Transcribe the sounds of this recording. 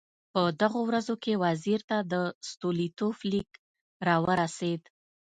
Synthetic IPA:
pəd̪aɣowɾazokewaziɾt̪ad̪əst̪olit̪oflik | ɾɑwəɾased̪

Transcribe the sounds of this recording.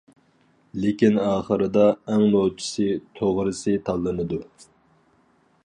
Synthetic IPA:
lekʲinɑːχəɾɨd̪ɑɛŋmolt͡ʃʰi̥sɨt̪ʰoʁɾɨsɨt̪ʰɑlˠːɨnɨd̪u

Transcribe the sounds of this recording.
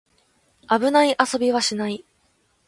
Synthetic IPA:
abɯ̟naiʔaso̞bʲiβ̞aɕinai

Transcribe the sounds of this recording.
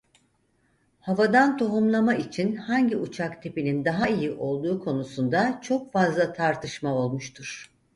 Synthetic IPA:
havad̪ant̪ʰo̞ɦumlˠamait͡ʃʰinhaɲɟiut͡ʃʰakt̪ʰe̞pinind̪aɦaijiʔo̞lˠd̪uːkʰo̞nusund̪at͡ʃʰo̞k̚fazlˠat̪ʰaɾt̪ʰɯʃmao̞lˠmuʃt̪ʰuɾ̥

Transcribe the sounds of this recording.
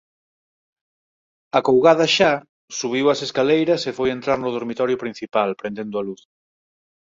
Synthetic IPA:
akowɣaðɐʃa | suβ̞iwɐseskalejɾɐsefojent̪ɾaɾnʊðoɾmit̪ɔɾjʊpɾĩn̟θipalpɾend̪end̪ʊaluθ

